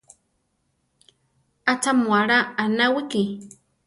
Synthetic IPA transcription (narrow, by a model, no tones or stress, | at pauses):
at͡samuaɾaːnawiki